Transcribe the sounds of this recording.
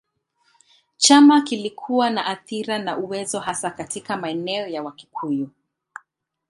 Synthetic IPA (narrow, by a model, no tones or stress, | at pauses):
t͡ʃamakilikʰuwanaʔaθiɾanaʔuwɛzɔhasakatikamaɛnɛɔjawaki̥kʰuju